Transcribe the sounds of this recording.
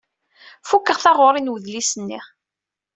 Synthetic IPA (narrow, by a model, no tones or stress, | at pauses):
fukːəʁθɑʁoɾˤinwəðlisənːiʁ